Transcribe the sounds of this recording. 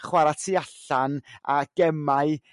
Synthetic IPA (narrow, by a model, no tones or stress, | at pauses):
χwaɾatʰiaɬanaɡ̥ɛmaɨ